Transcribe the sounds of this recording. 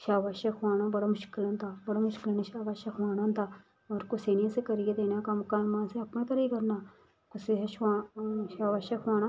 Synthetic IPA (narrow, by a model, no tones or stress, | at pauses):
ʃaːʋaːʃekaːñãːbəɽaːmʊʃkɪlə̃nd̪aːbəɽaːmʊʃkɪlnʃaːʋaːʃaxʰaːɽ̃ãːnd̪aː | ɔːɾkʊseːnɪjãːsekəɾɪjeːd̪eːnaːkamkaːmãːseɐpnãːk̪əɾiːkəɾnaː | kʊseɦɛʃaːʃaːʋaːʃekʰaːnãː